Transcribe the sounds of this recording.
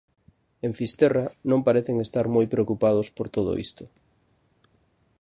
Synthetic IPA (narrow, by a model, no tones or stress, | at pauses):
eɱfist̪ɛranõŋpaɾeθeŋest̪aɾmojpɾeokupað̞ospoɾt̪oð̞o̰ʔḭst̪ʊ